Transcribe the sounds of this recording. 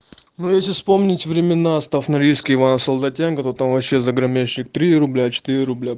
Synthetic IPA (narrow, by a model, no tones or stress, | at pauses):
nojesʲlʲɪfspo̞mnʲɪtʲvɾʲɪmʲɪnast̪afnɐɾʲijskʲɪɪvanəsəlˠd̪ɐtʲenkət̪ot̪amvɐpɕːe̞zəɡɾɐmʲeɕːɪkt̪ɾʲiɪɾʊblʲat͡ɕɪ̥t̪iɾʲɪɾʊblʲa